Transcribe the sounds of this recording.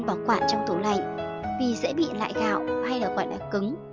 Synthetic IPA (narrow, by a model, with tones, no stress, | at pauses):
ŋ͡mkɔ˨˦kwaː˧˨nt͡ɕɔ˧wŋ͡mt̪u˨˧˩la̰˧˨jŋ | vi˨˩zɛ̰˧˥ɓḭ˧˨la̰ː˧˨jɣa̰ː˧˨wha˧jlaː˨˩ɣɔ̰˧˨jlaː˨˩kɨ˨˦ŋ